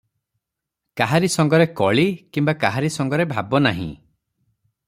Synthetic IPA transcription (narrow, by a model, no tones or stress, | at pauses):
kaɦaɾisɔŋɡɔɾekɔɭikimbakaɦaɾisɔŋɡɔɾebʱabɔnaɦḭ̃